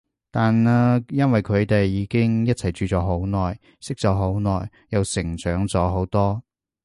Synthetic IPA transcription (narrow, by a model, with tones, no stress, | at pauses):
t̪aː˨nɛː˥jɐ˥nwɐ˨jkʰɵ˨˧ɥt̪e˨jːiː˨˧kɪ˥ŋjɐ˥t̚t͡sʰɐ˨˩jt͡ʃyː˨˧t͡sɔː˨˥ɦo˨˥wnɔː˨˩j | sɪ˥k̚t͡sɔː˨˥ɦo˨˥wnɔː˨˩j | jɐ˨˧wsɪ˨˩ŋt͡sœː˨˧˥ŋt͡sɔː˨˥ɦo˨˥wt̪ɔː˥